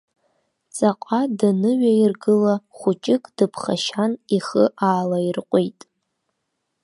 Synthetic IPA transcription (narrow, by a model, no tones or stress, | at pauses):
t͡sʼaqʷʼadanɨɥairɡɨlaχʷʊt͡ʃʼɪkʼd̥ɨpʰχaʃaniχəʔaːlairqʷʼijtʼ